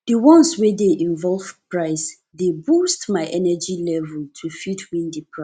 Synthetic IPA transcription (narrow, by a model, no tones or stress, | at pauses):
dəwɔ̃nswedeʔĩɱvɔlvpʰɹaɪs | debustmaɪʔɛnɛd͡ʒilɛvəltʰufidwĩndipʰɹa